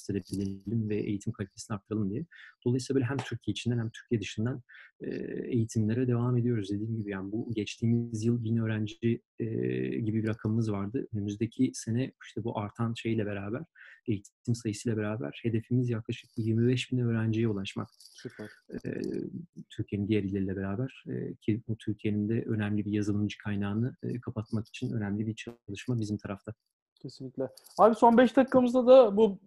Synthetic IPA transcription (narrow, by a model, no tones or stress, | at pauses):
st̪elʲɛbilʲelʲimvɛʔḛjit̪ʰimkʰalʲit̪ʰesinaɾkt̪ʰːaɾalˠɯmd̪ijɛd̪̥olˠajsilˠabølʲɦæmt̪ʰyɾcʰijeit͡ʃʰind̪ænhæmt̪ʰy̥ɾcʰijɛd̪ɯʃɯnd̪anɛ̰ejit̪ʰimlʲeɾɛd̪e̞vame̞d̪ijo̞ɾuzd̪e̞d̪iːmɟibijaːnibuɟɛt͡ʃt̪ʰiːmizjɯlˠbinø̞ːɾænd͡ʒi | ɟibibiɾakʰamɯmɯzvaɾd̪ɯønymyzd̪ecʰise̞nɛiʃt̪ʰɛbuʔaɾt̪ʰanʃe̞jilʲɛbe̞ɾaːbæɾ̥ejit̪ʰt̪ʰːimsajɯsɯjlˠabeɾaːbæ̰ɾ̥he̞d̪e̞fimizjaklˠaʃɯ̥k̚bujiɾmibɛʃbinɛø̞ːɾænd͡ʒejɛulˠaʃma̰ksypɛɾ | t̪ʰyɾcienind̪ijeɾilʲe̞ɾilʲɛbe̞ɾaːbæɾ̥̰cʰibut̪ʰyɾcʰije̞nind̪ɛʔø̞næmlʲibijazɯlˠɯmd͡ʒɯ̥kʰajnaːnɯkʰapat̪̚maki̥t͡ʃʰinø̞̰næmlʲibit͡ʃʰlˠɯʃmabizimt̪ʰaɾaft̪ʰa | cʰesinlʲiclʲɛ | haːbiso̞nbɛʃt̪ʰakkʰːamɯzd̪ad̪abu